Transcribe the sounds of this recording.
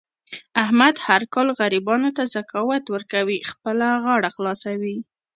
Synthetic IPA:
ahmad̪haɾkɑlɣaɾibɑnot̪azakɑwat̪wəɾkawixpəlaɣɑɽaxlɑsawi

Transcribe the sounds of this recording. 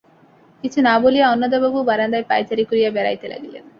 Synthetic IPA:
kit͡ɕʰunabolijaɔnːɔd̪obabubaɾand̪ajpa̰jt͡ɕaɾikoɾijabɛɾa̰jt̪elʔa̰ɡilḛn

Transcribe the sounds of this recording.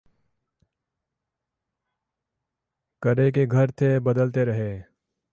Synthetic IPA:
kəɾek̬eɡʱɐɾt̪ʰebɐd̪əlt̪eɾɐɦeː

